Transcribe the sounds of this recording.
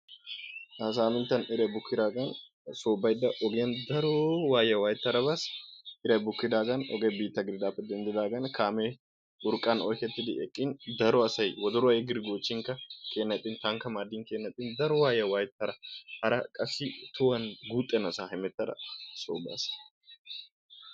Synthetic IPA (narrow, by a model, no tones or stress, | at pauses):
ɐsaːmɪnt̪ɐnɪɾɐbʊkːɪd̪aːɡɐn | soːbːɐjd̪ːɐʔɔɡjɐnd̪ɐɾɔwaːjɐwaːjɪt̪ːɐɾɐbasɪɾɐbʊkːɪd̪aːɡɐnɔ̰ɡɛbiːt̪ːɐɡɪɾɪd̪aːpːɛd̪ɛnd̪ɪd̪aːɡɐnkʰaːmɛ | ʊɾkʼɐnɔjkɛt̪ːɪd̪ɪɛkʼːɪnd̪ɐɾɔɐsɐjwɔd̪ɔɾɔɐjɛɡɪɾɪɡoːt͡ʃːɪŋkɐkʰeːnːɐt̪ʼːɪnt̪ɐŋkɐmaːd̪ːɪŋkeːnːɐt̪ʼːɪnd̪ɐɾɔwaːjɐwaːjɪt̪ːɐɾɐhɐɾɐkʼɐsːɪt̪ʊwɐnɡuːt̪ʼːɛnɐsahɛmɛt̪ːɐdɐ̰soːba̰ːs